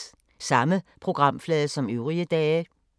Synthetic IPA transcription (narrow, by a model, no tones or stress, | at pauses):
sɑ̈məpʰʁo̝ɡ̥ʁɑ̈m̰flɛːðˠəsɒ̽møʊʁiəd̥ɛː